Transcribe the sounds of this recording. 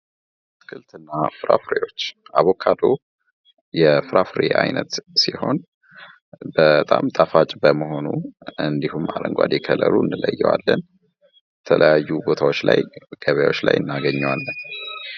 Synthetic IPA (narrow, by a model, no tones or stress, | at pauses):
t̪kʰɨlt̪ɨnːafɨɾʔa̰fɾejo̞t͡ʃːʔaβokʰad̪o̞ | jɛfɨɾafɾeʔajnət̪siho̞n | bət̪ʼamt̪ʼafat͡ʃʼbəməɦo̞nuʔɨnd̪ihumːaɾəŋɡʷwa̰d̪ekʰələɾuɨnːɨləjːɛwalːən | jɛt̪ʰələjajːubo̞t̪ʰawot͡ʃːla̰jɡ̥əβəjawo̞t͡ʃːla̰jʔɨnːaɡəɲːɛwalːən